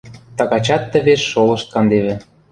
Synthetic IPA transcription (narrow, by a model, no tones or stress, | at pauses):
t̪ɑkɑt͡ɕɑt̪ːə̆βeʃːolɤ̆ʃt̪̚kɑnd̪eβĕ